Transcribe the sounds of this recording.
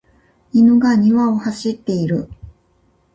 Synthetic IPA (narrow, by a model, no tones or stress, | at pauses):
inoɡaɲ̟iβao̞haɕit̪ːe̞iɾɯ̟